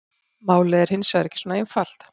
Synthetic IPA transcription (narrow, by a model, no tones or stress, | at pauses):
maːwlɪɛɾ̥hɪnːsvɛðɾɛhcɪswoːnaejnfal̥t̪